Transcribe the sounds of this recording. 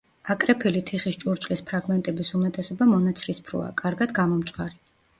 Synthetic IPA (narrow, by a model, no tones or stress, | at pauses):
akʼɾɛpʰilit̪ʰiχist͡ʃʼuɾt͡ʃʼlispʰɾaɡmɛnt̪ʼɛbisumɛt̪ʼɛsɔbamɔnat̪sʰɾispʰɾṵa̰kʼaɾɡad̪ɡamɔmt̪sʼwaɾi